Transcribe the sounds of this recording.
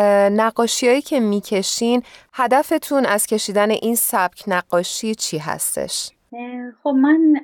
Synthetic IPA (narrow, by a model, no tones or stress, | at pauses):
næɢːɒːʃijɒːjiːcʰe̞miːcʰe̞ʃinhæd̪æfe̞t̪ʰunæz̥cʰe̞ʃiːd̪æne̞ʔiːnsæb̥̚cʰnæɡ̥ːɒːʃiːt͡ʃʰiɦæ̰st̪e̞̰ʃ | χobmæn